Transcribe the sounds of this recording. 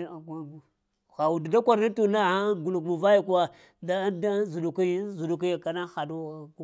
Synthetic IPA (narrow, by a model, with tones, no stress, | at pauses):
a˨ɡ | ɣa˨wu˨da˨da˦kʷa˨ɾa˦tu˨na˦˨a˦ɡu˨lu˨kmu˨va˦ja˨ka˦˨ | da˦da˦zu˨du˨ki˦jzu˨du˨k̬i˦ja˨ka˨na˦xa˨du˦˨ɡu˦